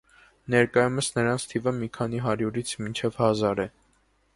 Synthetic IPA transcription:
nɛɾkɑjuməsnəɾɑnt͡sʰt̪ʰivəmikʰɑniɦɑɾjuɾit͡sʰmint͡ʃʰɛvhɑzɑɾɛ

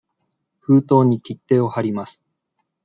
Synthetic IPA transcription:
ɸɯ̟ːt̪o̞ːɲ̟ikʲit̪ːe̞ːo̞haɾʲimasɨ̥

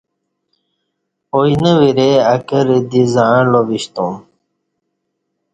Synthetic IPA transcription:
ojnəwiɾeɐkəɾd̪izãlobiɕt̪ũm

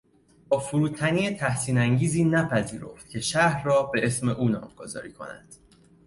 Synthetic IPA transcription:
bɒːfuɾuːt̪ʰæniːet̪ʰæhsiːnæŋɟiːziːnæpʰæzḭːɾo̞̰ft̪̚cʲʰe̞ʃæhɾrɒːbe̞e̞sme̞ʔuːnɒ̰ːmɡ̥ozɒ̰ːɾiːkʰo̞̰næ̰nd̪̥

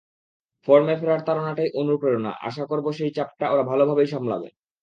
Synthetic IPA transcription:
fɔɾmeɾfeɾaɾt̪aɾonaʈajʔonuɾupɾeona̰ʔa̰ʃ̬akoɾboʃejt͡ɕap̚ʈaoɾabʱalobʱabejʃɔmla̰bḛ

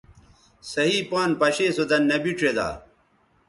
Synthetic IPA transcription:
sɐɦiːpaːnpɐɕeːsod̪ɐnːɐbiʈ͡ʂʰed̪a̰ː

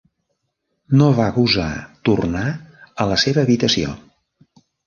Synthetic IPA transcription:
noβakuza̰t̪urnaələseβəːβit̪əsio̰

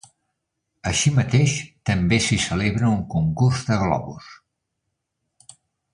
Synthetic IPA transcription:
əʃimət̪eʃt̪əmbesisəleβɾəuŋkuŋkurzðəɣlɔ̰βṵs

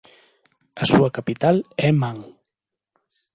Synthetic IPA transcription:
ɐsuɐkapit̪alɛmaŋ

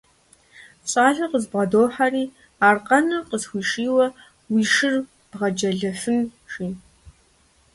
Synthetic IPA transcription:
t͡sʼaːɮɐqəzbʁɐdoːħaɾiː | aːrqʼɐnɨqəzxʷiːʂiːwɐ | wiːʂɪr | b̥ʁɐd͡ʒɐɮɐfɨnʒiː

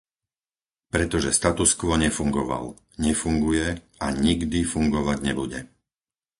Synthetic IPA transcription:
pɾɛt̪ɔʒɛst̪at̪uskʋɔɲɛfuŋɡɔʋa̰l | ɲɛfuŋɡujɛ | aɲiɡd̪ifuŋɡɔʋaɟɲɛbuɟɛ

